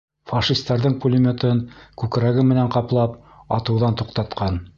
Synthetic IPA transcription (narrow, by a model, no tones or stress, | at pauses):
fɑʃist̪ɑɾðɤɴpulʲɪmʲot̪ɤŋkʉkɾæɡɘmɘ̆næŋqɑplˠɑp | ɑt̪ɤ̆wðɑnt̪uqt̪ɑt̪qɑn